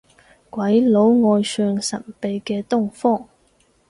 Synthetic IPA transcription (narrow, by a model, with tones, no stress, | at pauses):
kwɐ˨˥jlo˨˥wŋɔː˧jsœː˧ŋsɐ˨˩npe˨˧jkɛː˧t̪ʊ˥˩ŋfɔː˥˩ŋ